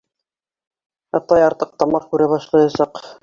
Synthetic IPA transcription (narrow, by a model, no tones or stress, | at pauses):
ɑt̪ɑjɑɾt̪ɤq̚t̪ɑmɑqkʉɾɘβɑʃlˠɑjɑsɑq